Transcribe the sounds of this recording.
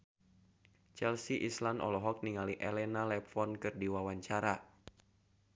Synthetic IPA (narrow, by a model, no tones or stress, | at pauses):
t͡ʃɛlsiʔislanɔ̰lɔɦɔk̚niŋaliʔɛlɛnalɛpfɔnkɨrdiwawaɲt͡ʃaɾa